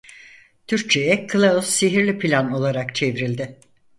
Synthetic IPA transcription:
t̪ʰyɾk̚t͡ʃʰe̞jɛkʰɯlˠausːiɦiɾlʲipʰilʲano̞lˠaɾakt͡ʃʰe̞vɾilʲd̪ɪ

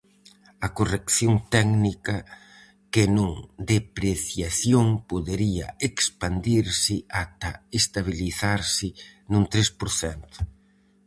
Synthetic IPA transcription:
ɐkorekθjoŋt̪ɛɡnikɐ | kenũŋd̪epɾeθjaθjoŋpoðeɾiɐ̰ekspand̪iɾsɪat̪ɐest̪aβ̞iliθaɾsɪnũŋt̪ɾespoɾθɛnt̪ʊ̥

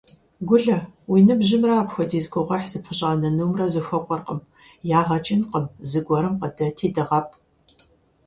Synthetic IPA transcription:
ɡʷʊɮɐwinɨbʒɪmraːpxʷɐdiːzɡʷʊʁʷɐħz̥ɨpʰɨɕʼaːnɐnuwmrɐzɨxʷɐqʷʼɔrqəm | jaːʁɐt͡ʃʼɪnqəmzɨɡʷɔɾɨmqɐdɐtʰeːdɐʁɐp̚ʰʼ

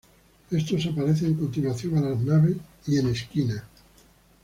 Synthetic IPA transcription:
e̞st̪o̞sapaɾeθeːŋko̞nt̪inwaθjo̞ŋalaznaβesiene̞skina

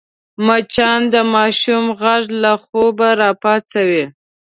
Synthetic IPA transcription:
mat͡ʃɑnd̪əmɑʃumɣaʐlaxobaɾɑpɑt͡sawi

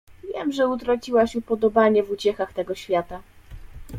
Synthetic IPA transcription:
vʲjɛmʐɛut̪ɾat͡ɕiwaɕupɔd̪ɔbaɲɛvut͡ɕɛxaxt̪ɛɡɔɕfʲjat̪a

